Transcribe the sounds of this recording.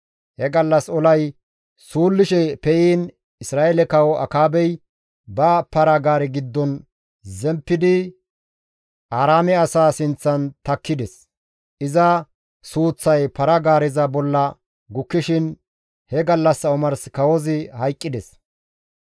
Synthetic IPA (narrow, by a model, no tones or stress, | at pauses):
hɛɡɐlːɐsɔlɐj | suːlːɪʃɛpɛjiːn | ɪsɾaːelɛkɐwɔʔɐ̰kaːbɛj | bɐpɐɾɐɡaːɾɛɡɪd̪ːɔn | zɛmpːɪd̪ɪ | ʔaːɾaːmɛɐsaːsɪnt͡sːɐnt̪ɐkʰːɪd̪ɛs | ʔɪzɐ | suːt͡sːɐjpɐɾɐɡaːɾɪzɐbɔlːɐ | ɡʊkːɪʃɪn | hɛɡɐlːɐsːɐɔmɐɾskɐwɔzɪhɐjkʼːɪd̪ɛs